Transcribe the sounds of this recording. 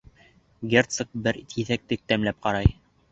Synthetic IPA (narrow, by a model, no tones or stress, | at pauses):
ɡʲert̪sɤk̚bɘɾt̪ʰiθæk̚t̪ɘk̚t̪æmlæp̚qɑɾɑj